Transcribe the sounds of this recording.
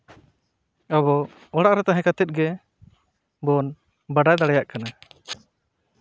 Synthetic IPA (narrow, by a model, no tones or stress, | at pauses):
aβɔ | ɔɽaʔɾɛt̪aɦɛ̃kat̪ɛt̪̚ɡɛ | bɔn | baɖajd̪aɽɛjaʔkana